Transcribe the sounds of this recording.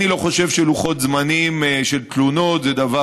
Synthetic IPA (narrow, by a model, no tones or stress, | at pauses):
ilo̞χo̞ʃe̞vʃeluχo̞t̪zmanimʃelt̪lunot̪zed̪ava